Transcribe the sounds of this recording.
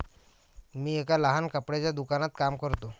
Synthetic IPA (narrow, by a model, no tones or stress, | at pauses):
miːekaləɦankəpɽet͡ɕjad̪ukanat̪kamkəɾt̪o